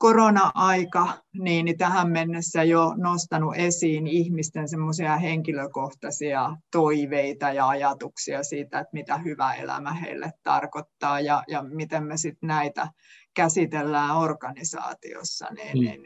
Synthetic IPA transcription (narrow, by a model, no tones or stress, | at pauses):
koronɑʔɑikɑniːnit̪æhæmmenːesːæjonost̪ɑnuʔesiːnihmist̪ensemːosiɑheŋkiløkoht̪ɑsiɑt̪oiʋeit̪ɑjɑɑjɑt̪uksiɑsiːt̪æet̪mit̪æhyʋæ̰ḛlæ̰mæhḛilːḛt̪tɑ̰rkot̪ːɑːjɑjɑmit̪emmesit̪næit̪æ̰ | kæsit̪elːæːorkɑnisɑ̰ːt̪ḭo̰sːɑ̰nḭːnḭn